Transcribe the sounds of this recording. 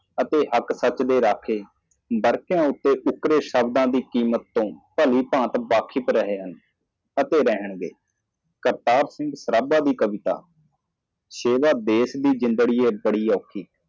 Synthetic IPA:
ət̪eːɦəksət͡ʃd̪eːɾaːkʰeː | bəɾkjãːʊt̪ːeːʔʊkɾeːsəbd̪ãːd̪iːkiːmət̪ːõːpəliːpãːt̪baːkʰɪpɾəɦeːɦən | ət̪eːɾɛɦəɳɡḛː | kəɾt̪aːɾsɪ̃ŋɡsəɾaːbaːd̪iːkəʋɪt̪a̰ː | ʃeːʋaːd̪eːsd̪iːd͡ʒɪ̃nd̪ɽiːeːbəɽiːɔːkʰːiː

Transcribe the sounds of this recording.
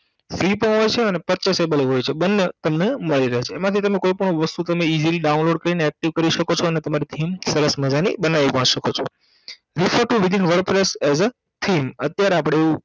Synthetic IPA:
fɾipõɦəɾt͡ʃʰeənepətt͡ʃəsebəlɦojt͡ʃʰebənːət̪əmneməɭiɾəɦet͡ʃʰeːmat̪ʰit̪əmekoipəɳ̃õʋəst̪ut̪əmeiziliɖaunloɖkəɾineɛk̚ʈiʋkəɾiʃəkot͡ʃʰoənet̪əmaɾit̪ʰimsəɾəsməd͡ʒanḭbənaʋipãiʃəkot͡ʃʰo̰ | ɾifəɾʈuʋɪd̪ʱinʋəɾpɾesɛzə | t̪ʰimət̪jaɾeapɽ̃eːʋũ

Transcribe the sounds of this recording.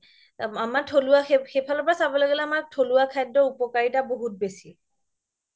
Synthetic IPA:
amaɹtʰoluaxexepʰalɔpɹasabɔlɔɡɛlɛamak̚tʰoluakʰajdːɔupɔkaɹitaboɦut̚besi

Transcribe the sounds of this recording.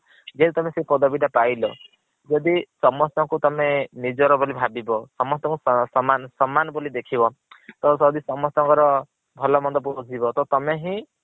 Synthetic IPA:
d͡ʒed̪it̪ɔmesepɔd̪ɔbiʈapajlɔ | d͡ʒɔd̪isɔmɔst̪ɔŋkut̪ɔmenid͡ʒɔɾɔbolibʱabibɔsɔmɔst̪ɔ̃ŋkusɔmansɔmːanɔbolid̪ekʰibɔ | t̪ɔsɔd̪isɔmɔst̪ɔ̃ŋkɔɾɔ | bʱɔlɔmɔnd̪ɔp̬uɔd͡ʒibɔt̪ɔt̪ɔmeɦĩ

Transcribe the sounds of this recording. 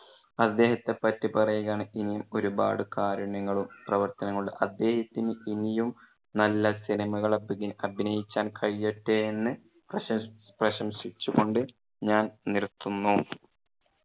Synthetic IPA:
ɐd̪ːe̞ːɦɐt̪ːe̞pːɐtːipɐrɐjuɣaːɳɨinijumo̞ɾuba̰ːɽɨkaːɾɐɳɐŋːɐɭumprɐʋɐrt̪ɐnɐŋːɐɭumʔɐd̪ːe̞ːhɐt̪ːinɨinijum | nɐlːɐsinɐmɐɣɐɭɐbiɣinɐbʱinɐjit͡ɕːaːnkʰɐɻijːeʈːeenːɨ | prɐ | prɐɕɐmɕit͡ɕːuɣo̞ɳɖɨ | ɲaːnnirt̪ːunːu

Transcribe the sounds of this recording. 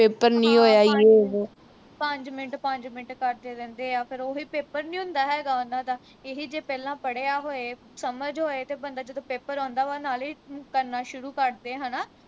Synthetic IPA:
peːpəɾnĩːɦoːjaːie | pəɲd͡ʒmɪnʈpəɲd͡ʒmɪnʈkəɾd̪eːd̪ɛ̃nd̪eːaːpʰɪɾoːɦiːpeːpəɾnĩːʊ̃ːnd̪aːɦɛːɡaːʊnãːd̪aː | eɦiːd͡ʒeːpɛːlãːpəɽeːaːɦoːeː | səməd͡ʒɦoːeːt̪eːbənd̪aːd͡ʒəd̪õːpeːpəɾɔ̃ːnd̪aːʋaːnaːliːkəɾnaːʃʊɾuːkəɾd̪eːɦənaː

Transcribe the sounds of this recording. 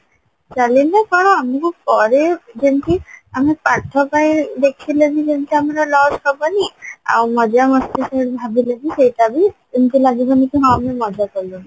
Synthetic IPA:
t͡ʃalinakɔɽ̃oamikupɔɾed͡ʒentiamipaɾt̪ʰːopajd̪ekʰilebid͡ʒentiamɾɔlɔsɦɔbonia̰wmɔd͡ʒamɔst̪eʃeɾbʱabʱilebiʃejʈabi | entilaɡibonikeɦɔamemɔd͡ʒakɔlo

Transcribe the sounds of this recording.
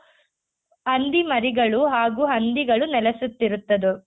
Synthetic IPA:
hɐnd̪imɐɾiɡɐɭuɦaːɡuːɦɐnd̪iɡɐɭunɛlɐsut̪ːiɾut̪ːɐd̪u

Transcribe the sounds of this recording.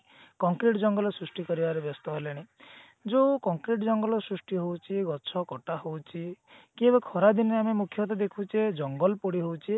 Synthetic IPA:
kɔŋkɾiʈɔd͡ʒɔŋɡɔlɔsɾusʈikɔɾibaɾebjɔst̪ɔɦeleɽ̃e | d͡ʒokɔŋkɾiʈd͡ʒɔŋɡɔlɔsɾusʈiɦowt͡ʃʰiɡɔt͡ʃʰɔkɔʈaɦowt͡ʃʰikiebɔkʰɔɾad̪inɔeamemukʰjɔt̪ɔd̪ekʰut͡ʃʰed͡ʒɔŋɡɔlpuɽiɦowt͡ʃʰi

